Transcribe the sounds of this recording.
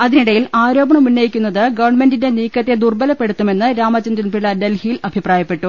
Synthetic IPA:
ɐðiniɽɐjilaːɾo̞ːbɐɳɐmunːɐjikʲːunːɐðɨɡɐʋɐrɳme̞ndinde̞niːkːɐt̪ːe̞d̪urbɐlɐpːe̞ɽut̪ːume̞nːɨɾaːmɐt͡ɕːɐndɐnpiɭɐdelhijilɐbʱipraːjɐpːe̞ʈːu

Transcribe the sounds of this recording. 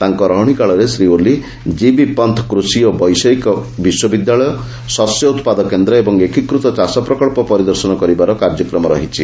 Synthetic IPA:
t̪aŋkɔɾɔɦɽ̃ikaɭɔɾesɾioli | d͡ʒibipɔnt̪ʰɔ̥kɾusiɔbɔjsɔjkɔbiswɔbid̪jaɭɔjɔ | sɔsjɔut̪pad̪ɔkend̪ɾɔebɔŋekikɾut̪ɔt͡ʃasɔpɾɔkɔɭpɔpɔɾid̪ɔɾsɔnɔkɔɾibaɾɔkaɾd͡ʒɔkɾɔmɔɾɔɦit͡ʃʰi

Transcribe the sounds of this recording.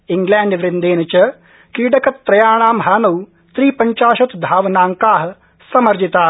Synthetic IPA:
ɪŋɡlɛːɳɖʋɾɪnd̪eːnɐt͡ʃɐ | kiːɖɐkɐt̪pɾɐjaːɳ̃aːmɦaːnɐw | t̪ɾiːpɐɲt͡ʃaːʃɐt̪d̪ʱaːʋnaːŋkaːɦ | sɐmɐɾd͡ʒit̪aː

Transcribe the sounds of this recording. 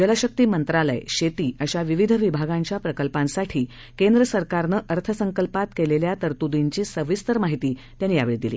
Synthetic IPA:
d͡ʑələɕək̚t̪iːmənt̪ɾalə̰jɕet̪iːəɕaʋiʋid̪ʱʋibʱaɡãɲt͡ɕjapɾəkəlpãnsaʈʰiː | kend̪ɾəsəɾkaɾnəʔəɾt̪ʰəsəŋkəlpat̪keleljat̪əɾt̪ud̪iɲt͡ɕiːsəʋist̪əɾmaɦit̪iː | t̪janːiːja̰ʋeɭiːd̪iliː

